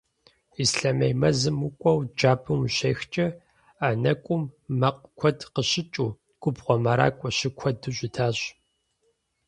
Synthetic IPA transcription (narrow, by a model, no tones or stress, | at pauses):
isɬɐmejmɐzɨmukʷʼɔwd͡ʒaːbʰɨmɕeːxt͡ʃʼɐ | aːnɐkʷʼʊmːɐqkʷʰɔdqəɕɪt͡ʃʼuː | ɡ̥ʷʼʊbʁʷɔmɐɾa̰ːkʷʼɔɕɪkʷʰɔdɨɕʷʼɪtʰaːɕ